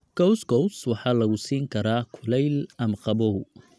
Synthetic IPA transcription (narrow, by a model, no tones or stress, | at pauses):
ɡ̥ɔwsɡɔwswɑħɑːlɐɣʊsiːŋkʰɐɾaːkʰʊlɛjlɐmqɑbɔ